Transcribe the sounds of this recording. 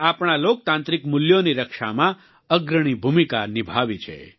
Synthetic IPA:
apɳ̃alok̚t̪ãnt̪ɾikmʊljoniɾəkʃa̰mã | əɡɾəɽ̃ibʱumikanibʱaʋit͡ʃʰḛ

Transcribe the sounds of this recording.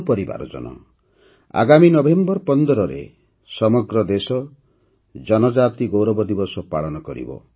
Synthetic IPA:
pɔɾiba̰ɾɔ̰d͡ʒɔ̰nɔ̰ | a̰ɡaminɔbembɔɾpɔnd̪ɔɾɔɾḛ | sɔmɔɡɾɔd̪esɔ | d͡ʒɔnɔd͡ʒat̪iɡowɾɔbɔd̪ibɔsɔpaɭɔnɔkɔɾḭbɔ̰

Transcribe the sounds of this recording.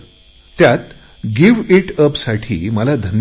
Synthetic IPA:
t̪jat̪ | ɡiʋiʈəpsaʈʰḭːməlad̪ʱən

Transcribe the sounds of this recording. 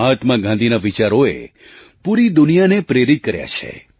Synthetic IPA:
at̪mãɡãnd̪ʱinaʋit͡ʃaɾoḛ | puɾid̪unijanepɾeɾit̪̚kəɾja̰t͡ʃʰḛ

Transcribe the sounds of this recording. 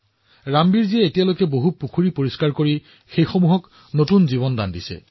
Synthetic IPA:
ɹambiɹziɛetijalojkɛboɦupukʰuɹipoɹiskaɹkoɹi | xejxomuɦɔk | notunziβɔnda̰ndisɛ̰

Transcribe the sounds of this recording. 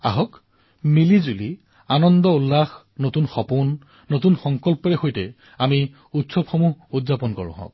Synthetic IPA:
a̰ɦɔk | milizuli | anɔnd̪ɔulːax | notunxɔpunː | otunxɔŋkɔlpɔɹɛxojtɛ | ami | utsɔpxɔmuɦudzapɔnkɔ̰ɹnɔ̰ɦɔ̰̃k̚

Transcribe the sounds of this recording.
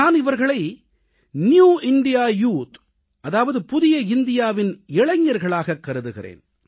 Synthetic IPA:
aːnɪʋɐɾɣɐɭɐɪ | njuːɪnɖɪjaːjuːt̪ | ɐðaːʋɐðɯpʊðɪjɐɪnd̪ɪjaːʋɪnɪɭɐɲːɐɾɣɐɭaːɣɐkːɐɾɯðɯɣɪ̰rḛːn

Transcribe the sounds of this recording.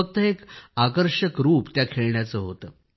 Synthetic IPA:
ək̚t̪əekakəɾɕəkɾuːpt̪jakʰeɭɳjat͡səːɦot̪əː

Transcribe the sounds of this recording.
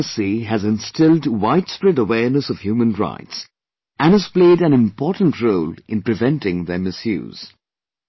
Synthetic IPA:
siɦæzɨ̃nstɪldwaɪtspɹɛɾəwɛːɹnəsɔv̥hjuːmə̃nɹa̰ɪts | ʔæ̃nɨz̥pleɪɾæ̃nɪ̃mpɔːtn̩tɹoʊlɪ̃npɹɨvɛ̃ntɪ̃ŋðɛmɪsjʉ̰ːz̥

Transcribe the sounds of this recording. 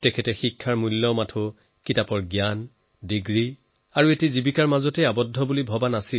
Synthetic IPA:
tɛkʰɛtɛxikʰːaɹmulːɔmatʰʊ | kitapɔɹɡjan | diɡɹi | aɹuetizibikaɹmazɔtɛabɔdʱːɔbulibʱɔbanasil

